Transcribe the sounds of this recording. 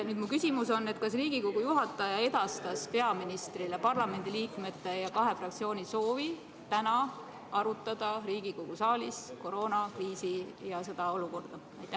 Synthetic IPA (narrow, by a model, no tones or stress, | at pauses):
nyːd̪mukysʲimuso̞nːe̞t̪ˑkɑsriːɡ̥iko̞ɡ̥ujuɦɑt̪ːˑɑjɑe̞d̪̥ɑst̪ɑspe̞ɑminist̪rilepɑrlɑme̞nd̪̥iliːkme̞t̪ːˑe̞jɑkɑɦe̞frɑk̚t̪sio̞ːniso̞ːvi | t̪ænɑ | ɑɾut̪ːˑɑd̪̥ɑɾiːɡ̥iko̞ɡ̥usɑːlisko̞ɾo̞ːnɑkriːsijɑse̞d̪̥ɑo̞luko̞rd̪̥ɑ | ɑjt̪ːˑæh